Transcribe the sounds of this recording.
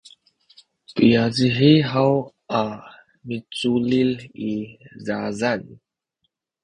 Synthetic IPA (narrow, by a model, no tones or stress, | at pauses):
pijaziħiɦaw | a | mit͡sulilizazan